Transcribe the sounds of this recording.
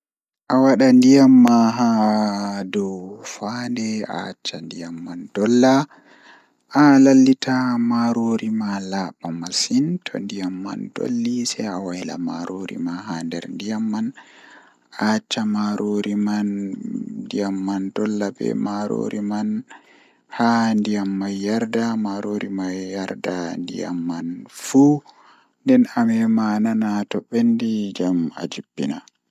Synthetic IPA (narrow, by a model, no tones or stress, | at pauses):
ʔawaɗandijamːaɦa | dɔwfandɛa̰t͡ʃːandijamːand̥ɔlːa | ʔalalːitʰamaɾoɾimalaɓamasintʰɔ̰ndijamːa̰ndo̰lːisɛjawajla̰ma̰ɾʔoɾḭmaɦandɛ̰ɾndijamːan | ʔat͡ʃːamaɾʔoɾiman | dijamːandɔlːabɛ̰maɾo̰ɾiman | handijamːajːaɾdamaɾoɾimajːaɾdandḭja̰mːanfu | ndɛnamɛmananatɔɓːendid͡ʒama̰d͡ʒibːina